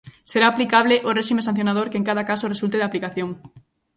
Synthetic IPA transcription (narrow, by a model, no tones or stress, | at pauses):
seɾaːplikaβlɪʔoreʃimesãn̟θjonaðoɾkeŋkaðakasoresult̪eðaplikaθjoŋ